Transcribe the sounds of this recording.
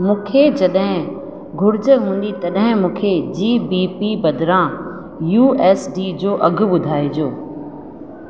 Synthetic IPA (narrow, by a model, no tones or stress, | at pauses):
mũːkʰed͡ʑɐɗɦɪ̃ | ɡʱʊɾɪd͡ʑəɦũːn̆d̪it̪ɐɗɦɪ̃mũːkʰed͡ʑiːbipibɐd̪ʱɪɾã | juːɛːsɖiːd͡ʑoːʔɐɡʱʊ̆ɓʊd̪ʱaːid͡ʑoː